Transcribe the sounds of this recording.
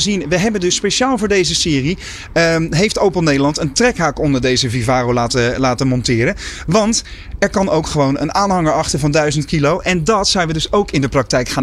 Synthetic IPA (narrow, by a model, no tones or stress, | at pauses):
əzinʋəɦɛbəndɵsːpejʃaːlˠvʊːɹdejzəsɪːri | ɦejftowpəlˠnejdəlɑntəntrɛkɦaːkɔndəɹdejzəvivaːrowlaːtəlaːtənmɔntɪːɾənʋɑnt | ɛɹkɑnowkχəʋownə̰naːnɦɑŋəɹɑχtəvɑndœɥzəntkilowʔɛndɑtsɛjnʋədɵsowkɪndəprɑk̚tɛjkχaːn